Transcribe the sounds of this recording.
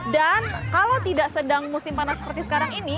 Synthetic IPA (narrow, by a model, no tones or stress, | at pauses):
dankalawt̪idaʔsədaŋmusɪmpanasə̥pərt̪isə̥kaɾaŋini